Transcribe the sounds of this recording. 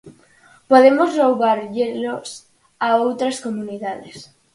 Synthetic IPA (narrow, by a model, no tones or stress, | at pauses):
poðemozlowβaɾʎelos | aowt̪ɾaskomuniðaðes